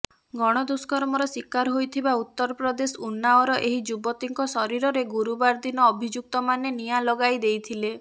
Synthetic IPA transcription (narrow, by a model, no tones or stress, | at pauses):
ɡɔɽ̃ɔd̪uskɔɾmɔɾɔsikaɾɦojt̪ʰibaut̪ːɔɾɔpɾɔd̪esɔunːaɔɾɔʔeɦid͡ʒubɔt̪iŋkɔsɔɾiɾɔɾeɡuɾubaɾd̪inɔːbʱid͡ʒuk̚t̪ɔmanenijalɔɡajd̪ejt̪ʰile